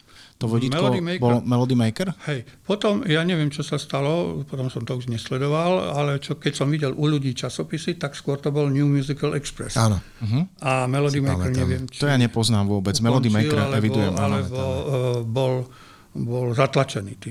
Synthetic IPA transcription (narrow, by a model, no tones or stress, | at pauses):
t̪ɔʋɔɟimɛlɔd̪imɛjbɔlmɛlɔd̪imɛjkɛɾhɛjpɔt̪ɔmjaːɲɛʋɪɛmt͡ʃɔsast̪alɔpɔt̪ɔmsɔmt̪ɔuʒɲɛslɛd̪ɔʋalalɛt͡ʃɔkɛcsɔmʋiɟɛlʔuʎuɟiːt͡ʃasɔpisit̪akskʊɔɾt̪ɔbɔlɲuːmjuzikalʔɛkspɾɛ̰saːnɔ | ɦ̩amɛlɔd̪imjkɾɲɛʋɪɛmt͡ʃt̪ɔjaɲɛpɔznaːmʋʊɔbɛd͡zmɛlɔd̪imɛiɾɾalɛɛʋid̪ujɛmalɛbɔbɔl | bɔlzat̪lat͡ʃɛnḭːt̪i